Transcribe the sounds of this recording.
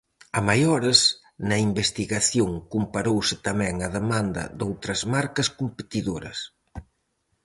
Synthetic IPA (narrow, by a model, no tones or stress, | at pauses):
ɐmajɔɾɪs | nɐimbest̪iɣaθjoŋkumpaɾowsɪt̪ɐmɛŋɐðemand̪ɐ̰d̪owt̪ɾɐzmaɾkɐskumpet̪iðoɾɐ̰s